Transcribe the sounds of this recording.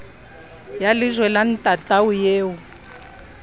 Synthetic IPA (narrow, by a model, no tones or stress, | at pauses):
jalɪzwɛlan̩tʼatʼaujeːu